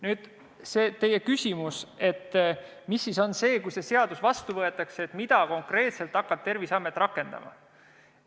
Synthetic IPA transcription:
nyːd̪̥ | se̞ːt̪e̞jːe̞kysʲimuse̞t̪ː | misːiso̞nse̞ːkujse̞se̞ɑd̪̥usvɑst̪uvɤe̞t̪ːˑɑkseet̪mid̪̥ɑko̞ŋkre̞ːt̪se̞lt̪ːˑɑkːɑt̚t̪e̞rvisɑmːet̪ːˑrɑkːˑe̞nd̪̥ɑ̰mɑ̰

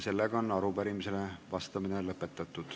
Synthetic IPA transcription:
se̞lːeɡ̥ɑo̞nːɑɾupæɾimise̞levɑst̪ɑminelɤpːˑet̪ːˑɑt̪ːˑud̪̥

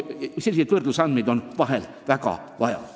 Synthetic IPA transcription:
selːiset̪ʋɯrd̪usɑnmid̪onʋɑɦel | ʋækɑ̰ | ʋɑjɑ̰

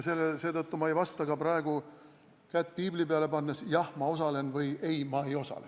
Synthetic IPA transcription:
se̞lːese̞ːt̪ɤt̪ːumɑejvɑst̪ɑɡ̥ɑprɑeɡ̥u | kæt̪ːˑpiːblipeɑle̞pɑnːesjɑhmɑo̞sɑle̞nvɯje̞jmɑe̞jo̞sɑ̰le

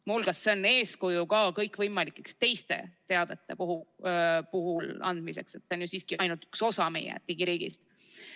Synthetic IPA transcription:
mulɡ̥ɑsːeonːe̞ːskujukɑːkɤjkːvɤjmɑlikːˑekst̪e̞jst̪e̞̰t̪e̞ɑd̪̥e̞t̪ːˑe̞puɦupuɦulɑ̰nd̪̥mise̞̰kse̞t̪seonjosiːskiɑjnult̪y̥kso̞sɑmḛjæ̰t̪ːiɡ̥iɾiːɡ̥ḭst̪

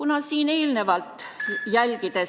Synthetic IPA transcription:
unɑsiːne̞ːlne̞vɑlt̪jælʲɡid̪̥e̞

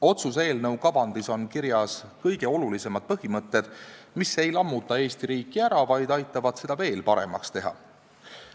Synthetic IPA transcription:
o̞t̪sus̬e̞ːlnɤwkɑbɑnd̪̥iso̞nkiɾjɑskɤjɡ̥e̞o̞lulise̞mɑd̪̥̚pɤɦimɤt̪ːe̞d̪̥ | mise̞jlɑmːut̪ːˑɑe̞ːst̪iɾiːkːiæɾɑvɑjd̪̥ɑjt̪ˑːɑvɑd̪̥se̞d̪̥ɑve̞ːlpɑɾe̞̰mɑ̰kst̪e̞ɦɑ̰

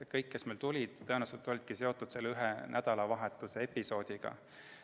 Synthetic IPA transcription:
kɤjkːe̞smejlt̪ulʲid̪̥t̪ːɤenˑɑselt̪ːˑolʲid̪̥kise̞o̞t̪ːˑud̪̥se̞lːyɦenʔæd̪̥ɑlɑvɑɦet̪ːˑuse̞epːiso̞ːd̪̥ʲiɡ̥ɑ̰

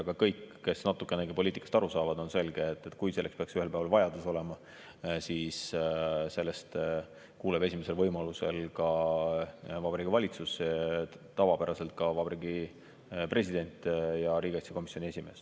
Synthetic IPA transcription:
ɡ̥ɑkɤjkːe̞snɑt̪ːˑukːˑeneɡepo̞liːt̪ːˑikɑ̥st̪ɑɾusɑːvɑd̪o̞nse̞lɡ̥e̞ːt̪ːˑet̪ːˑkujse̞lːekspe̞ɑksyhelpæevɑlvɑjɑd̪̥uso̞le̞mɑ | siːsse̞lːe̞st̪ | kuːleb̥e̞sime̞se̞lvɤjmɑluse̞̰lkɑ | vɑbɑɾiɡ̥ivɑlʲit̪sus | t̪ɑvɑpæɾɑse̞lt̪̚kɑvɑbɑɾiɡi | pre̞sʲid̪e̞nʲt̪ʲːˑjɑɾiːɡ̥ɑht̪sjɑko̞misːjo̞nʲie̞sʲime̞ːs

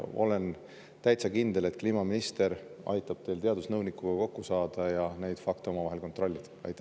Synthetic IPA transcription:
o̞̰le̞n | t̪æjt̪sɑkind̪̥ele̞t̪̚kliːmɑminist̪e̞ɾ | ɑ̰jt̪ːˑɑb̥t̪e̞jlt̪e̞ɑd̪̥usnɤwnikːˑuɡ̥ɑko̞kːusɑːd̪̥ɑjɑne̞jd̪̥fɑk̚t̪eo̞mɑvɑɦe̞lko̞nt̪ˑro̞lʲːid̪̥ɑ̰jt̪ːˑæ

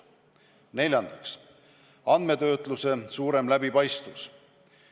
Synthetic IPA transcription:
ne̞lʲjɑnd̪̥ɑks | ɑnd̪̥me̞t̪ø̞ːt̪ˑluse̞suːɾe̞mlæbipɑjst̪vus

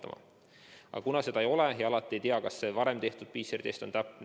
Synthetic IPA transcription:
ɑmɑ̰ | ʔɑ̰̥ɑkunɑse̞d̪ɑejo̞le̞jɑɑlɑt̪ːˑie̞jt̪iɑkɑsːe̞vɑɾe̞mt̪e̞ht̪ud̪̥̚piːseɾid̪e̞ːst̪o̞nt̪æpːˑ

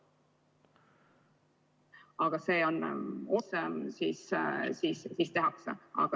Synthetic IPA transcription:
ɑɡ̥ɑseːono̞sesissiːssiːst̪e̞ɦɑksḛɑ̰ɡ̥ɑ

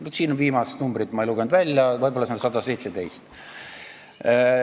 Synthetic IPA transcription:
nyt̪siːnonviːmɑse̥t̪numbrit̪ːˑmɑejluɡ̥end̪vælʲjɑvɤjbolːɑsensɑd̪ɑse̞jt̪se̞d̪e̞jst̪

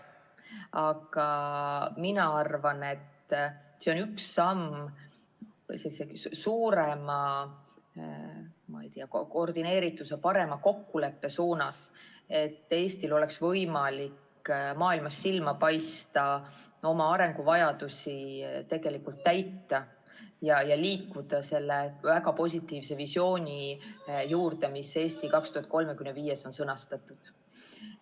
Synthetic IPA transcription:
ɑɡ̥ɑ | minɑɑrvɑne̞t̪ːse̞onyksːɑm | vɯ̰jse̞lːisesuːɾemɑ | mɑ̰jt̪iɑkkord̪ine̞ːɾit̪ːˑusepɑɾe̞mɑko̞kːule̞pːe̞suːnɑse̞t̪ˑːe̞ːst̪ilo̞le̞ksvɤjmɑlik | mɑːilmɑsːilmɑpɑjst̪ɑ | o̞mɑɑɾe̞ŋɡ̥uvɑjɑd̪̥usʲit̪e̞ɡ̥e̞likult̪ːæjt̪ːˑɑ | jɑjɑliːkːˑud̪̥ɑse̞lːe̞væɡɑpo̞s̬ʲit̪ːˑiːvse̞visjo̞ːnʲijuːrd̪e̞mise̞ːst̪ikɑkst̪uhɑt̪̚ko̞lmekymneviːje̞so̞nsɤnɑst̪ɑt̪ːˑud̪̥

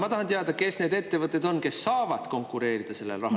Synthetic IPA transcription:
mɑt̪ɑhɑnt̪eɑd̪ɑke̞sne̞ːd̪e̞t̪ːe̞vɤt̪ːˑe̞d̪o̞nke̞sːɑːvɑd̪̥ko̞ŋkˑuɾe̞ːɾid̪̥ɑse̞lːelrɑɦ

